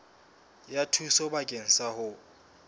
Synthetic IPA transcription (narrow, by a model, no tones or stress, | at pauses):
jatʰusɔbakʼeŋ̩sahʊ